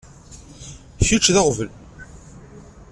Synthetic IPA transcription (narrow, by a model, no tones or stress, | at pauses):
çut͡ʃːðɑʁvəl